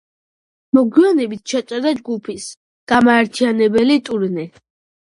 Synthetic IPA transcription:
mɔɡwianɛbit̪̚ʰʃʰat̪t͡ʃ̪ʼɛɾd̪ad͡ʒɡupʰis | ɡ̥amaɛɾt̪ʰianɛbɛlit̪ʼuɾnɛ

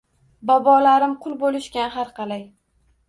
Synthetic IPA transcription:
bɒbɒlaɾɪmqʰʊlˠbolɪʃkʲanɦaɾqɑlaj

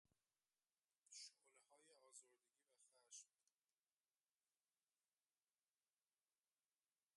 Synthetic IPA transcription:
ʃolehɒːjeɒːzoɾd̪eɟʲiːvæxæʃm

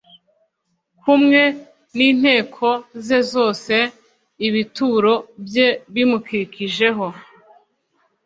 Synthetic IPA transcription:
kumŋe̞ | niːn̥he̞ːkʰo̞ze̞zo̞ːse̞ | iβituːɾo̞bje̞βimukiɾikiʒe̞ɦo̞

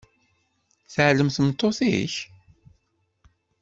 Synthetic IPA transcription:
θəʕləmθəmt̪ˤːoθḭç

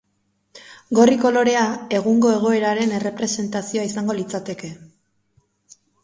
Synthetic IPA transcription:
ɡo̞riko̞lo̞ɾe̞ae̞ɣ̞uŋɡo̞e̞ɣ̞o̞e̞ɾaɾe̞ne̞re̞pɾe̞se̞nt̪asio̞aisaŋɡo̞lit͡sat̪e̞ke̞

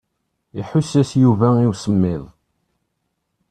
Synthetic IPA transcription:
iħʊsːæsjuvæiwsəmːɪðˤ

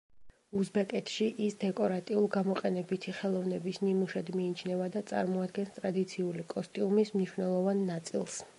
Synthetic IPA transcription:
uzbɛkʼɛt̪ʰʃiʔisd̪ɛkʼɔɾat̪ʼiulˠɡamɔqʼɛnɛbit̪ʰiχɛlˠɔvnɛbisnimuʃɛd̪miːt͡ʃʰnɛvad̪at̪sʼa̰ɾmɔad̪ɡɛnst̪ʼɾad̪it̪sʰiulikʼɔst̪ʼiumismniʃwnɛlˠɔvanːat̪sʼilˠs

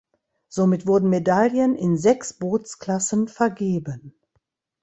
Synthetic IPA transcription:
z̥omɪtv̥ʊɐdn̩medaljənɪnzɛksb̥oːt͡skl̥asənfɛɐɡeːbən

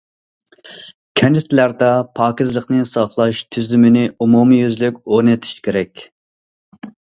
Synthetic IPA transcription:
kʲʰɛnɪt̪ʰlæɾd̪ɑpʰɑːkʲizlˠəqnɨsɑχlˠɑʃt̪ʰyzlymɪnɪumumɨjyzlɪkʲoɾnɨt̪ʰi̥ʃkʲeɾɛkʲ

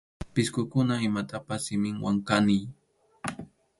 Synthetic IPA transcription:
pɪskʊkʊnaɪmat̪apasːɪmɪŋwaŋkanɪj

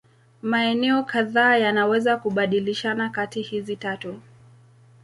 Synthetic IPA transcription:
maɛnɛɔkaðaːjanawɛzakuɓaɗiliʃanakatihizitatu

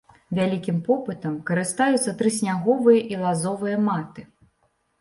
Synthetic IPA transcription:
vʲalʲikʲimpɔpɨt̪ɐmkɐɾɨst̪ajut̪sɐt̪ɾɨsʲnʲaɣɔvɨjɐʔilˠazɔvɨjɐmat̪ɨ

